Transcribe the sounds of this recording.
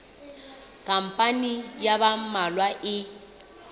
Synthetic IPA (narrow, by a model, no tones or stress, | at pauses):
kʼam̩pʼanijaβamalwaʔɪ